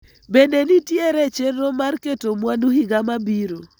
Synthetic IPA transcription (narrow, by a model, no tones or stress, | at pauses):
bendenitjeɾet͡ʃerːomarketomwanuɦiɡamabiɾo